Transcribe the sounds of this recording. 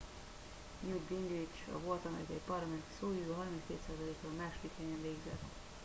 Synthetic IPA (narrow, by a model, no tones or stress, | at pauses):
njuɡbiŋɡrit͡ʃɒ̰vo̞lt̪ɒmɛ̰ik̪ɛipɒrlɒmɛnt̪i̥soːjuoːɦɒrminskeːt̪saːzɒleːkoːlmaːʃod̪iklɛɲɛɱveːɡzɛ̰t̪ː